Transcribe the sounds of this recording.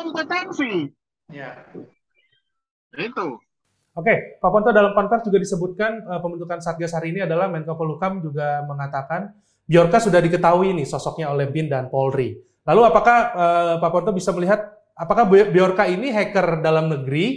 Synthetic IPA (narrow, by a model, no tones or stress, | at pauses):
kɔmpot̪ɛnsi | ja | it̪u | okepapɔnt̪odalampant̪ard͡ʒuɡadisəbut̪̚kanəpəmbənt̪ukansaat̪̚ɡashaɾiːniadalahmɛnkapɔlukamd͡ʒuɡaməŋat̪akan | biɔrkasudahdikət̪aɦuinɪhsɔsɔk̚ɲaolɛhbɪndanpɔlri | laluapakahəːpapɔnt̪̬obisaməliɦat̪̚ | apakahbbiɔrkainiɦɛkərdalamnəɡɾi